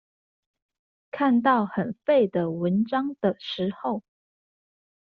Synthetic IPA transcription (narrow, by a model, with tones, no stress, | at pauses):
kʰa˥˧nt̪ɑ˥˨ʊxə˨˩nfe˥˩ɪd̪ə˩wə˨˦nʈ͡ʂɑ˥ŋd̪̥ə˨ʂɻ̩˧˥xo˥˨ʊ